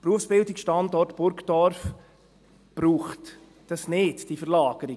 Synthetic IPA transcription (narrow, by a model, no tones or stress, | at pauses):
pɾuəfsb̥ɪldikʃtɑndɔrtb̥ʊɾkd̥ɔɾf | b̥ɾuːχt | d̥ɑsnɪtd̥ifəɾlaːɡ̥əɾi